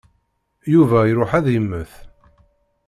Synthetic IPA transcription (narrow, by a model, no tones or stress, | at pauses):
juvæjɾʊħæðjəmːəθ